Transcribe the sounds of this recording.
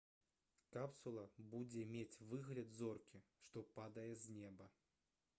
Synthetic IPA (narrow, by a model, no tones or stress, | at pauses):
kapsulˠɐbud͡zʲɛmʲet͡sʲvɨɣlʲɐd̪zɔrkʲiʂt̪ɔpad̪ɐjɛzʲnʲɛbɐ